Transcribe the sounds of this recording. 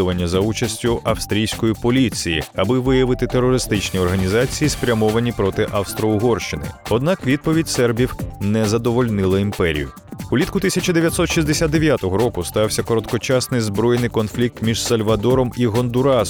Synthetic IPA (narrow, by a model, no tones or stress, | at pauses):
ʊʋɐnʲːɐzɐut͡ʃɐsʲtʲʊʔɐfst̪ɾʲijsʲkɔjipɔlʲit͡sʲijḭɐbɪʋɪjɐʋɪt̪ɪt̪erːɔɾɪst̪ɪt͡ʃnʲiɔrɦɐnʲizɑt͡sʲijispɾʲɐmɔʋɐnʲipɾɔt̪ɪʔɐfst̪ɾɔʊɦɔrʃt͡ʃɪnɪ̰ɔd̪̚nɑkʋʲid̪̚pɔʋʲidʲsɛrbʲiwnɛzɐd̪ɔʋɔlʲnɪlˠɐimpɛɾʲḭjʊ̰ | ulʲit̪kʊt̪isʲɐt͡ʃɐd̪eʋʲjɐt̪sɔt̪ʃizd̪esʲad̪̚d̪e̞ʋʲjat̪ɔɦɔɾɔkʊst̪ɑwsʲɐkɔɾɔt̪kɔt͡ʃɑsnɪjzbɾɔjenɪjkɔnflʲik̚t̪mʲiʒ̥sɐlʲʋɐd̪ɔɾɔmiɦɔnd̪ʊɾɑ